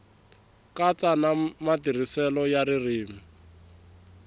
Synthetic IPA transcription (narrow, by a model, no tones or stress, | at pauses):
kat͡sanamatir̤isɛlɔjaɾiriːmi